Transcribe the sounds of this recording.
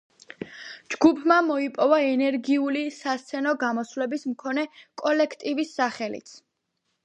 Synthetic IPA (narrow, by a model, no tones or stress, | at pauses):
d͡ʒɡupʰmamɔipʼɔvaɛnɛɾɡiulisast̪sʰɛnɔɡamɔsvlɛbismkʰɔnɛkʼɔlɛkʰt̪ʼivisːaχɛlḭt̪sʰ